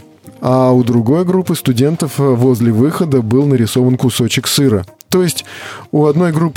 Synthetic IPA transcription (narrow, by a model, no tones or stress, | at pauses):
aʊd̪ɾʊɡo̞jɡɾupːɨst̪ʊdʲe̞nt̪əfvo̞zʲlʲɪvɨxəd̪əbɨlˠnəɾʲɪso̞vənkʊso̞t͡ɕɪksɨɾət̪o̞jɪsʲtʲuɐd̪no̞jɡɾupː